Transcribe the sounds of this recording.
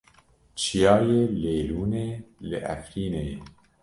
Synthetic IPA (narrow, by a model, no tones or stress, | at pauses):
t͡ʃʰijɑːjeleːɾuːneːleʔæ̰fɾiːne